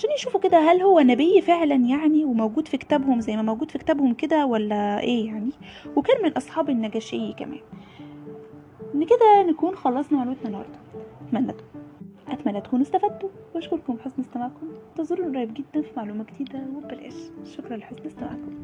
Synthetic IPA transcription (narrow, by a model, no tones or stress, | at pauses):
ʕaʃæːnjeʃuːfoked̪æɦælhowːænæbejːfeʕlænjaʕniwemæwɡuːd̪fike̥t̪æbhomzæjːmæmæwɡuːd̪̥fike̥t̪æːbhomked̪æwælːæʔeːjaʕni | wekæːnmenelʔɑsˤħɑːbenːæɡæːʃejːækæ̰mæ̰ːn | ʔenːked̪ænækuːnxɑlːɑsˤnɑwʕalwæt̪nænhɑ̰ɾˤd̪ˤɑ̥ʔæt̪mænːæt̪ | ʔæt̪mænːæt̪kuːnest̪æfæd̪ːowæʃkoɾkombħesnest̪æmaʕkomt̪ɑzˤoɾˤːuɾˤɑjːebɡed̪ːænfimaʕluːmæɡet̪iːd̪æwebelʔæ̰ːʃʃːokɾˤɑlħosnest̪æma̰ʕkom